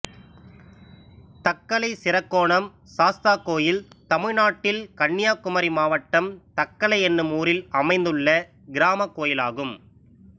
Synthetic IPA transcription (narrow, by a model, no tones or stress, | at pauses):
t̪ɐkːɐɭɐɪsɪɾɐkːoːɳɐm | saːst̪aːkːoːjɪlt̪ɐmɪɻnaːʈːɪlkɐɳːɪjaːkʊmɐɾimaːʋɐʈːɐmt̪ɐkːɐɭɐɪɛnːɯmuːɾɪlɐmɐɪnd̪ɯɭːɐ | ɡɪɾaːmɐkːoːjɪlaːɣɯm